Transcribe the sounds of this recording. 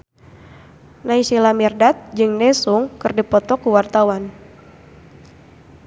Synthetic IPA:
naisilamirdat̪̚d͡ʒɨŋnɛsuŋkɨrdipɔt̪ɔkuwart̪awan

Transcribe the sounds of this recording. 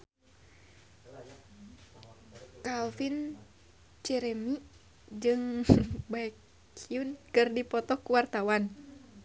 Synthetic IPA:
kalfin | t͡ʃɛɾɛmi | d͡ʒɨŋbaɛkʰ | iunkɨrdipɔt̪ɔkuwart̪awan

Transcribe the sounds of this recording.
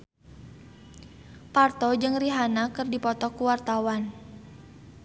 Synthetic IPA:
part̪ɔd͡ʒɨŋriɦanakɨrdipɔt̪ɔkuwart̪awan

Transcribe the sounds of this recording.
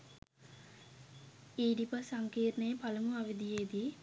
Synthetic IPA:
iːɖipəsaŋkiːɾnəjəpaləmuaʋid̪ijeːd̪i

